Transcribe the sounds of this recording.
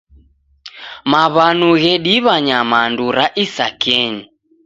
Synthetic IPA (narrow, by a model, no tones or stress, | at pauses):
maβanuɣɛɗiβaɲamanduɾaʔisakɛɲi